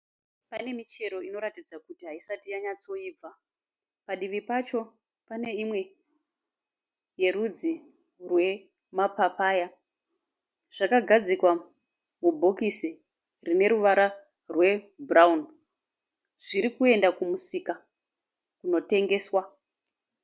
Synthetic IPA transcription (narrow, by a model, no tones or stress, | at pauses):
pane̞mit͡ʃe̞ɾo̞ino̞ɾatid͡zakutiɦaisatijaɲat͡so̞iːb͡va | paɗiʋipat͡ʃo̞ | pane̞imwe̞ | je̞ɾud͡zi | rwe̞ | mapapaːja | ʐ̥akaɡʱad͡zikwa | mubʱo̞kisi | rine̞ɾuʋaɾa | rwe̞braun | ʐ̥iɾikue̞ndakumusika | kuno̞te̞ŋɡe̞ːswa